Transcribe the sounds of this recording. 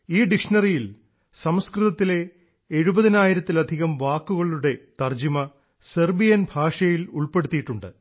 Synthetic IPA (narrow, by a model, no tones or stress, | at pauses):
iːɖikʂɐnɐrijil | sɐmskrɨðɐt̪ːile̞ː | ɻubɐðinaːjiɾɐt̪ːilɐd̪ʱiɣɐmʋaːkːuɣɐɭuɽe̞t̪ɐrd͡ʑimɐ | serbijɐnbʱaːʂɐjiluɭpe̞ɽut̪ːijiʈːuɳɖɨ̰